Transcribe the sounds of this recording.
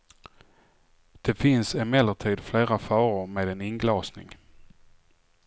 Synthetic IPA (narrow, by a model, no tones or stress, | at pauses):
d̪̥ɛfɪnsɛmɛlːət̪ʰiːd̪fleːɾafɑːɾʊɾmeːd̪ɛnɪŋɡlɑːsnɪ̰ŋ